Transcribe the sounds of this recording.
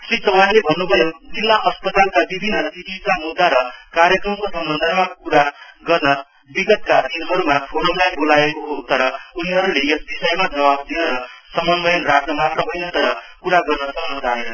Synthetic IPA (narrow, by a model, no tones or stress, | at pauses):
sisʌwanlebʱʌnːubʱʌjod͡zilːaʔʌspʌt̪alkabibʱinːʌsiʈit͡samud̪ʱːaɾʌkaɾjʌkrʌmkosʌmbʌnd̪ʱʌmakuɾaɡʌrnʌ | biɡʌt̪̚kad̪inɦʌɾumapʰoɾʌmlajbolaekoɦot̪ʌɾʌuniɦʌɾulejʌsbisʌjmad͡zʌwab̚d̪inʌɾʌsʌmʌnbʌjʌnrakʰnʌmat̪rʌɦʌjnʌt̪ʌɾʌ | kuɾaɡʌrnʌsʌmbʌnd̪ʱaɦenʌ